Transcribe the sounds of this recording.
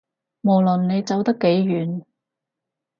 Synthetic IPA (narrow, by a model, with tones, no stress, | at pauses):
mo˨˩wlɵ˨˩nːe˨˧jt͡sɐ˨wt̪ɐ˥kːe˨˥jɥyː˨˥n